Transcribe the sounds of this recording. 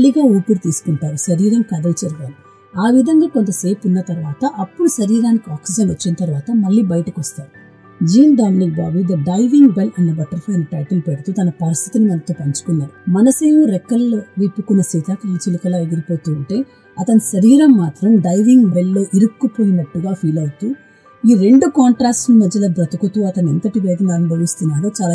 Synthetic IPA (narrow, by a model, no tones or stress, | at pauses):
ɭːiɡaːuːpiɽit̪iːsu̥kuɳʈaːɾuʃɐɾiːɾɐmkɐd̪ɐlt͡ʃɐɾɐɡaːli | aːʋid̪ʱɐŋɡaːko̞nt̪ɐse̞ːpunːɐt̪ɐɾʋaːt̪ɐʔɐpːuɽuʃɐɾiːɾaːnikiaːksid͡ʒɐnʋɐt͡ʃːinɐt̪ɐɾʋaːt̪ɐmɐɭːiːbɐjɐʈɐkʋɐst̪aːɾu | d͡ʒiːnd̪aːnːibaːbud̪ɐɖɐjʋiŋɡbelɐnːɐbɐʈɐɾfɐjɐniʈɐ̰jʈɐlpeɽut̪uːt̪ɐnɐpɐɾist̪ʰit̪inimɐnt̪oːpɐɲt͡ʃu̥kunːaːɾumɐnɐseːʋuɾekːɐlʋipːukunːɐsit̪akɐiːt͡ʃilikɐlaːeɡiɾipoːt̪uːɳʈe̞ː | ɐt̪ɐniʃɐɾiːɾɐmːaːt̪ɾɐmɖɐjʋiŋɡbelːo̞ːʔiɾukːupoːjinɐʈːuɡaːfʰiːlɐjit̪uː | iːɾe̞ɳɖukaːɳʈɾaːkssnimɐd̪ːɐlɐːbɾɐt̪ukut̪uːɐt̪ɐnent̪ɐʈiʋɛːd̪ɐnaːnibʱɐʋist̪unːaːɾoːt͡ʃaːla